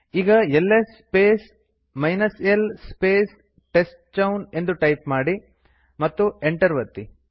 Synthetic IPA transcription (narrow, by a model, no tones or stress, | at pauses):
iːɡɐelːespeːs | mɐjnɐselspeːs | ʈesʈt͡ʃɐwne̞nd̪uʈɐjpmaːɽi | mɐt̪ːueɳʈɐɾʋɐt̪ːi